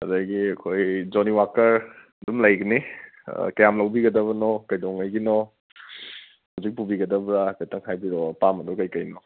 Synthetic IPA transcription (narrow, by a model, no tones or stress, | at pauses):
ɐ̰daɡiɐkʰojd͡ʒɔniwakɐɾ | dumlajɡɐnḭ | kɐjamlɐwbiɡɐdɐβɐnɔkɐjdɔŋajɡinɔ | hawzik̚pubiɡɐdɐbɾakajtɐŋɦajbiɾɔpamɐdɔkɐjkɐjnɔ